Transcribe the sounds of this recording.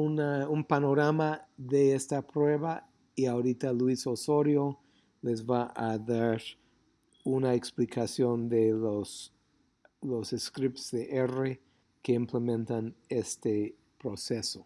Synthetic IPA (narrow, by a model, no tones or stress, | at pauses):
unaumpano̞ɾamaðeest̪apɾwe̞βa | iaoɾit̪alwisosoɾjo | lezβaʔaðaɾ | unaeksplikʰasjond̪elos | loseskɾipsðeʔere | keimplemẽnt̪anest̪e | pɾoseso